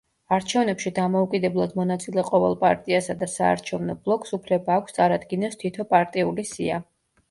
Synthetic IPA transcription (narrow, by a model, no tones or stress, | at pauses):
aɾt͡ʃʰɛvnɛpʃid̪amɔukʼid̪ɛblˠad̪mɔnat̪sʼilɛqʼɔvɛ̰lˠpʼaɾt̪ʼiasad̪asa̰ːɾt͡ʃʰɛvnɔblˠɔkʼsupʰlɛbaːkʷʰst̪sʼaɾad̪ɡinɛst̪ʰit̪ʰɔpʼaɾt̪ʼiulisia̰